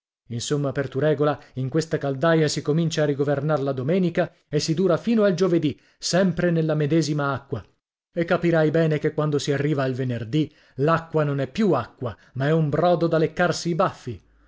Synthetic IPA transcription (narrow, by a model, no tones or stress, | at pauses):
insomːapert̪uɾɛːɡolaiŋkwest̪akald̪ajasikomint͡ʃaːriɡovernarlad̪omɛːnika | esːid̪uːɾafiːnoald͡ʒoved̪i | sɛmpɾenelːamed̪ɛːzimaakːwa | ekːapiɾajbɛːnekekːwand̪osiarːiːvailvenerd̪i | lakːwanonɛpːjuakːwa | maɛumbɾɔːd̪od̪alekːarsiːbafːi